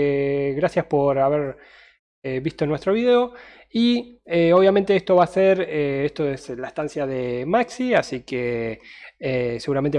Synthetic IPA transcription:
ɣɾasjaspo̞ɾaβeɾ | eβist̪o̞nwe̞st̪ɾo̞βiðeo̞ | ieo̞βjament̪eest̪o̞βaːseɾeest̪oeslaehst̪ansjaðemaksiasike | ese̞ɣuɾament̪e

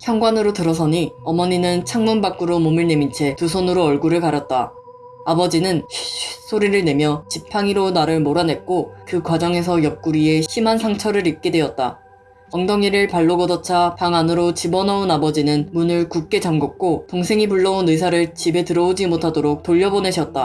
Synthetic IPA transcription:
çjʌŋɡwanɯɾotɯɾʌsʰʌɲiʌmʌɲinɯnt͡ɕʰaŋmunbak͈ɯɾomomɯɭne̞mint͡ɕʰe̞tusʰonɯɾoʌɭɡuɾɯɭkaɾjʌt̚t͈a | abʌd͡ʑinɯnɕɕis͈ʰoɾiɾɯɭne̞mjʌt͡ɕipʰaŋiɾonaɾɯɭmoɾane̞t̚k͈okɯkwad͡ʑʌŋe̞s̬ʰʌjʌp̚k͈uɾie̞ɕʰimɦansʰaŋt͡ɕʰʌɾɯɾip̚k͈e̞dwe̞ʌt̚t͈a | sʌŋdʌŋiɾɯɭpaɭːoɡʌdʌt͡ɕʰapaŋanɯɾot͡ɕibʌnaonabʌd͡ʑinɯnmunɯɭkuk̚k͈e̞t͡ɕaŋɡuk̚k͈otoŋsʰe̞ŋipuɭːʌunɯs̬ʰaɾɯɭt͡ɕibe̞tɯɾʌod͡ʑimotʰadoɾok̚toʎːʌbone̞ɕʰʌt̚t͈a

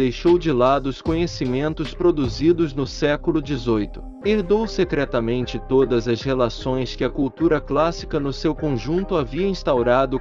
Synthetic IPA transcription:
d̪ejʃowd͡ʒɪlad̪ʊʊskõɲesimẽnt̪ʊspɾod̪uzid̪ʊznʊsɛkʊlʊd͡ʒɪzojt̪ʊ̥ | eɾd̪owsɪt̪ɾɛt̪ɐmẽnt͡ʃɪt̪od̪ɐzɐshelasõj̃skɪɐkuwt̪uɾɐklasi̥kɐnʊsewkõʒũnt̪ʊaviɐĩst̪awɾad̪ʊ

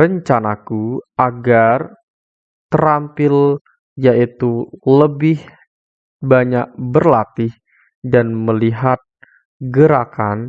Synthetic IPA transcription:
ɾəɲt͡ʃanakuaɡar | t̪əɾampɪl | jaʔit̪uləbɪh | baɲak̚bərlat̪ɪh | danməliɦat̪̚ | ɡəɾakan

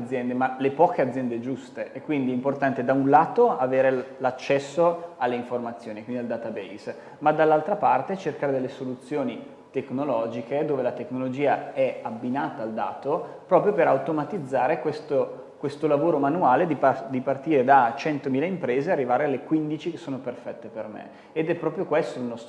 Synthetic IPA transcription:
d̪zːjɛnd̪emalepɔːk̟ead̪zːjɛnd̪ed͡ʒust̪eʔɛkːwind̪iɛimport̪ant̪ed̪aunlaːt̪oaveːɾelat͡ʃːɛsːoalːeiɱformat̪sːjoːnikwiniald̪at̪abɛis | mad̪alːalt̪ɾapart̪et͡ʃerkaːɾed̪elːesolut̪sːjoːni | t̪eknolɔːd͡ʒiked̪oːvelat̪eknolod͡ʒiːaɛabːinaːt̪aːld̪a̰ːt̪opɾɔːpɾjopeɾawt̪omat̪id̪zːaːɾekwest̪o | kwest̪olavoːɾomanuaːled̪iad̪ipart̪iːɾed̪at͡ʃɛnt̪omiːlaimpɾeːzearːivaːɾealːekwind̪it͡ʃikesːoːnoperfɛt̪ːepermḛː | d̪ɛpːɾɔːpɾjokwest̪onɔs

